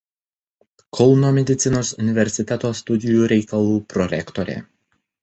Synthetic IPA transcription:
kʰɔlˠnoːmʲɛd̪ʲɪt̪sʲɪnoːsʊnʲɪʋʲɛɾʲsʲɪt̪ʲɛt̪oːst̪ʊd̪ʲɪjuːɾʲɛɪkɐlˠuːpɾɔɾʲɛkt̪ɔɾʲɛ̰

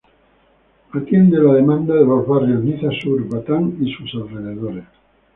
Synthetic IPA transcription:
at̪jend̪elaðemãnd̪aðelozβarjozniθasuɾβat̪aŋisusalreðeð̞oɾes

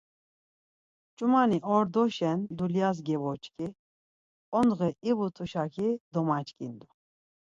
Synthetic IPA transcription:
t͡ʃʼumaniʔɔɾd̪ɔʃɛnd̪uljas̬ɡɛvɔt͡ʃʼkʼi | ɔnd̪ɣɛivut̪ʰuʃakʰid̪ɔmat͡ʃʼkʼind̪u

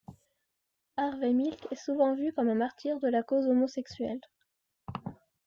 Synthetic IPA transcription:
aʁvɛmilkɛsuvɑ̃vykɔmɛ̃maʁt̪ʰiʁd̪əlakozomɔsɛksɥɛ̰l

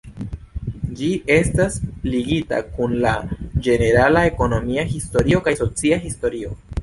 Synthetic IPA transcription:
d͡ʒiʔe̞stasliɡita̰kunlad͡ʒe̞ne̞ɾalae̞ko̞no̞miahisto̞ɾio̞kajso̞t͡siaɦisto̞ɾio̞̰

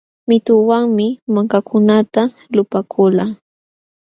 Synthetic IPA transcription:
mɪt̪ʊwaŋmɪmaŋkakʰʊnat̪alʊpakʰʊlaː

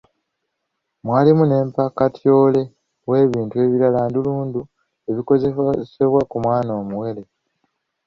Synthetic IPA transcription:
mwaːlimune̞ːmpakatjo̞ːle̞ | we̞ːβiːntue̞ːβiɾalaːnduluːndu | e̞βiko̞zese̞βwakumwaːnoːmuwe̞le̞

